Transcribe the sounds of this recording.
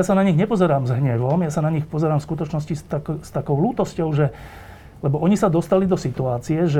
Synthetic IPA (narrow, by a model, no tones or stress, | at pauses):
jasanaɲiɣɲɛpɔzɛɾaːmzɦɲɛʋɔmjasanaɲixpɔzɛɾaːmfskut̪ɔt͡ʃnɔscist̪akst̪akɔʊluːt̪ɔscɔʊʒɛ | lɛbɔʔɔɲisad̪ɔst̪alid̪ɔsit̪uaːt͡siɛʒɛ